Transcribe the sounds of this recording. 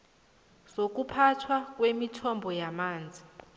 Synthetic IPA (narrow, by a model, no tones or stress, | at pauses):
sok̬ʼupʰatʰwakʼwemitʰɔmbʱɔjamaːnd͡zʱi